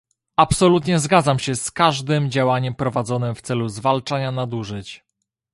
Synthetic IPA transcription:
apsɔlut̪ɲɛzɡad̪zamɕɛskaʐd̪ɘmd͡ʑawaɲɛmpɾɔvad̪zɔnɘmft̪sɛluzvalt͡ʂaɲanad̪uʐɘt͡ɕ

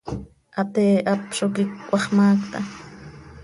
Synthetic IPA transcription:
ʔat̪eːʔapʃokɪkːʷɑχmaːkt̪a

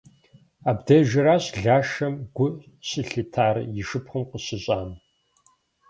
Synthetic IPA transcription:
aːbdɐʒɪɾaːɕɮaːʃɐmɡʷʊ | ɕɨɬɨtʰaːrjɪʂɨpχəmqəɕɪɕʼaːn

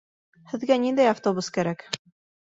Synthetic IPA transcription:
hɘ̆ðɡænind̪æjaft̪obuskæɾæk

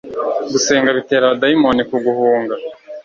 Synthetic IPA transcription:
ɡuse̞ːŋɡaβite̞ːɾadaimo̞nikuɡuhuːŋɡa

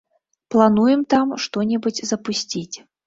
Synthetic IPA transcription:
plˠanujɛmt̪amʂt̪ɔnʲɛbud͡zʲzɐpusʲt͡sʲit͡sʲ

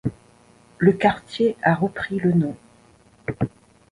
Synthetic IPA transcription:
ləkaʁt̪jeaʁəpχilənɔ̃

